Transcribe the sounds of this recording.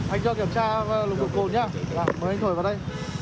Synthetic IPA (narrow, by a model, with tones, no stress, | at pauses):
ha˧jŋ̟zɔ˧ki˧˩əmt͡ɕaː˧lʊ˨˩t̪ʰʊ˨˩ko˨˩nɲaː˧˩vaː˨˩məː˨˦jht̪ʰo˧˩vaː˨˩ɗə˧j